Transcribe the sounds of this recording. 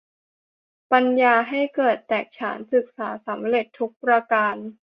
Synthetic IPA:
pa˧njaː˧ɦa˥˩jkɤː˨˩t̪ːɛː˨˩k̚t͡ɕʰa̰ː˩˦nsɯ˨˩k̚saː˩˦sa˩˦mɾe˨˩t̪ʰːu˦˥k̚pɾa˧kaː˧n

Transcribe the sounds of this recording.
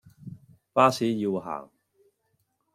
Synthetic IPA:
paː˥siː˨˥ji˧wɦa̰ː˨˩ŋ

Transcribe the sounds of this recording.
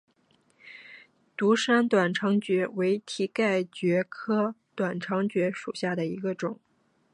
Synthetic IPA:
t̪u˧˥ʂa˥nt̪wa˨˩nʈ͡ʂʰɑ˧˥ŋt͡ɕɥɛ˧˥we˧˥ɪt̪ʰi˧˥ka˥˩ɪt͡ɕɥɛ˧˥kʰɤ˥t̪wa˨˩nʈ͡ʂʰɑ˧˥ŋt͡ɕɥɛ˧˥ʂu˨˩ɕja˥˩d̪ə˩i˧˥ɡə˧ʈ͡ʂʊ˨˩˦ŋ

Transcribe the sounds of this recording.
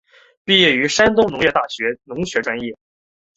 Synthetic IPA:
pi˥˧jɛ˥˩y˧˥ʂa˥nt̪ʊ˥ŋnʊ˧˥ŋjɛ˥˧t̪a˥˩ɕɥɛ˧˥nʊ˧˥ŋɕɥɛ˧˥ʈ͡ʂwa˥njɛ˥˩

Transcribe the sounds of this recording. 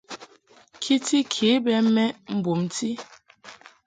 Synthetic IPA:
kʰi˦ti˦kʰi˨˦bɛ˦mɛ˦m̩˦bu˨mti˦

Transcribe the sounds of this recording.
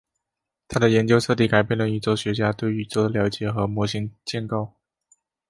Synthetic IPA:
t̪ʰa˥d̪ə˨jɛ˧˥nt͡ɕjo˥ʊʈ͡ʂʰɤ˥˧t̪̬i˥˩ka˨˩ɪpjɛ˥˩nlə˩y˧˩t͡swɔ˥˩ʊɕɥɛ˧˥t͡ɕja˥t̪we˥˩ɪy˧˥t͡sɔ˥˩ʊd̪ə˨ljɑ˧˥ʊt͡ɕjɛ˨˩xɤ˧˥mwɔ˧˥ɕi˧˥ŋt͡ɕjɛ˥˧nkɑ˥˧ʊ

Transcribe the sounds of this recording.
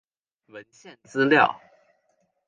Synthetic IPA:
wə˧˥nɕjɛ˥˩nt͡sɹ̩˥ljɑ˥˩ʊ

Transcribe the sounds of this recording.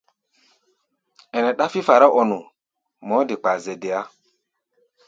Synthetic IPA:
ɛ˨nɛ˨ɗa˦fi˦fa˨ɾa˦ʔɔ˨nʊ˨ | mɔ˨˦dɪ˨k͡pa˨zɛ˨dɪ˨a˦

